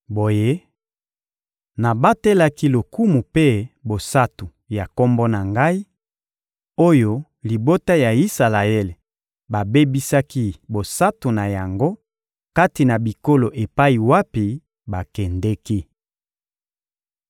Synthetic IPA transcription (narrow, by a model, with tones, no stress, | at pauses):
bo˨je˦ | na˨ba˦te˦la˦ki˦lo˨ku˦mu˨pe˦bo˨sa˦tu˨ | ja˨ko˦mbo˦na˨ŋɡa˦i˦ | o˦jo˦ | li˨bo˦ta˦ja˨i˦sa˨la˨e˦le˨ | ba˨be˦bi˦sa˦ki˦bo˨sa˦tu˨na˨ja˨ŋɡo˦ | ka˦ti˨na˨bi˨ko˦lo˨ʔe˨pa˦i˨wa˦pi˨ | ba˨kɛ˨ndɛ˦ki˦